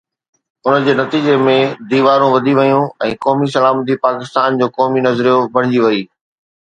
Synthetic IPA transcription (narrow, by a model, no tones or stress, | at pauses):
ʊnəd͡ʑeːnɐt̪iːd͡ʑemẽd̪iːʋaːɾũʋɐd̪ʱiʋɐjũɛ̃ːkɔːmisɐlaːmət̪̬ipaːkɪst̪aːnd͡ʑoːkɔːminɐzɾijobɐɽ̤̃ɪd͡ʑiʋɐiː